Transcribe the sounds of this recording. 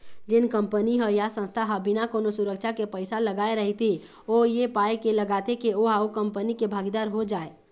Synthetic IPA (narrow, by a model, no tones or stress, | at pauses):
d͡ʒɪnkəmpəniɦəjasə̃nst̪ʰaɦəbinakonosuɾəkt͡ʃʰakepəɪsaləɡaeɾəɦit̪ʰi | ojepaekeləɡat̪ekeoɦaokəmpənikebʱaɡid̪aɾɦod͡ʒaːe